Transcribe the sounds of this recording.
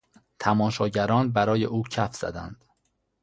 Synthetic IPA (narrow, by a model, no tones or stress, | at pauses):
t̪ʰæmɒːʃɒːɟæɾɒːnbæɾɒːjeʔuːcʰæfz̥æ̰d̪æ̰nd̪̥